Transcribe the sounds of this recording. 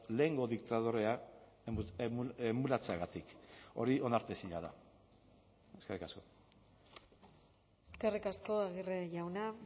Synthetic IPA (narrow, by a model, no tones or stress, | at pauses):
le̞ːŋɡo̞ðikt̪að̞oɾe̞a | eemulat͡seaɣat̪iko̞̰ɾio̞naɾt̪e̞siɲaða | eskerikasko̞ | eske̞rikasko̞aɣireʝawna